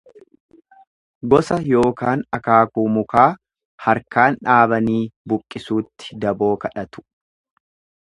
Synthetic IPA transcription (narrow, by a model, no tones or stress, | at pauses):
ɡɔsɐjo̞ːkaːnɐkaːkuːmʊkaː | hɐɾkaːnᶑaːβɐniːbʊkʼːɪsuːt̪ːɪ̥d̪ɐbo̞ːkɐᶑɐt̪ʊ̥